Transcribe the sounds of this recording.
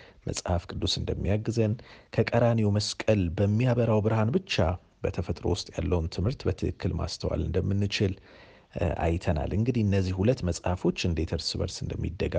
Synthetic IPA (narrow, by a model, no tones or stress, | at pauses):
mə̰sʼhafkʼɨd̪ːusɨnd̪əmːijaɡːzənkʰəkʼəɾanewməskʼəlbəmːijaβəɾawbɨɾhanbɨt͡ʃːa | bət̪ʰəfət̪ʼɾo̞̰wʊst̪ʼjalːəwnt̪ʰɨmhɨɾt̪bət̪ʰɨʔɨkːɨlma̰st̪ʰəwa̰lɨnd̪əmːɨnːɨt͡ʃɪl | a̰jt̪ʰəna̰lʔɨŋɡɨd̪ihɨnːəzːihhulət̪ːməsʼhafo̞t͡ʃːɨnd̪et̪ʰəɾsɨβə̰ɾsɨnd̪əmːḭd̪ːəɡa